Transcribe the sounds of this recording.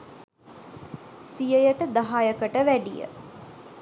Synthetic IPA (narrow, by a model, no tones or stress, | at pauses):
sijəjəʈəd̪aɦajəkəʈəʋæɖijə̰